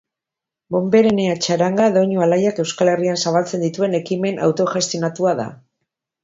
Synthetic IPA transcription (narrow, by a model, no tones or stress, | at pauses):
bo̞mbe̞ɾeneat͡ʃaɾaŋɡaðo̞ɲualajake̞wskale̞riansaβalt͡se̞nd̪it̪ue̞ne̞kime̞nʔa̰wt̪o̞ʝast̪inat̪uaða̰